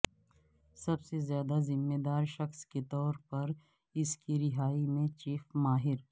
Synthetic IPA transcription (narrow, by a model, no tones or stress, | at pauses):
sɐbsezjaːd̪azɪmːed̪aːɾʃɐxsket̪ɔːɾpɐɾ | ɪskiɾɪɦaːimẽt͡ʃiːfmaːɦɪɾ